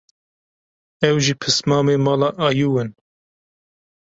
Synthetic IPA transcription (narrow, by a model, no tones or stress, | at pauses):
ɛwʒiːpʰɨsmɑːmeːmɑːlɑːʔɑːjuːwɨn